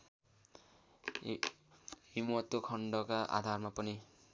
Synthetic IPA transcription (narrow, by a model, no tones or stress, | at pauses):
imʌt̪ːokʰʌɳɖʌkaʔa̰d̪ʱarmapʌni